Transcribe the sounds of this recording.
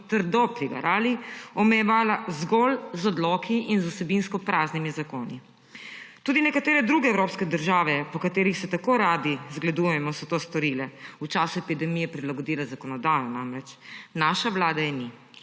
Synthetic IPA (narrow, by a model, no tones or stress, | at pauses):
t̪əɾd̪ɔpɾiɡɐ̰ɾʔaːliɔmɛjɛʋaːlazɡɔlzɔd̪lɔkiʔinzusɛbinskɔpɾaːznimizakoːni | t̪uːd̪inɛkat̪eːɾɛd̪ɾuːɡɛɛwɾoːpskɛd̪əɾʒaːʋɛpɔkat̪eːɾixsɛt̪akoɾad̪izɡlad̪ujɛmɔsɔt̪oːst̪ɔɾilɛut͡ʃaːsuɛpid̪ɛmijɛpɾilaɡɔd̪iːlazakɔnɔd̪aːjɔnamɾɛt͡ʃnaːʃaʋlaːd̪ajɛni